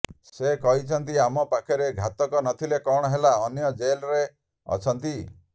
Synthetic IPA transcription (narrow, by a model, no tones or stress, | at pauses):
sekɔɦit͡ʃʰɔnt̪̬iamɔpakʰɔɾeɡʱat̪ɔkɔnɔt̪ʰilekɔɽ̃ɔɦelaɔnjɔd͡ʒelɾe | ɔ̰t͡ʃʰɔnt̪i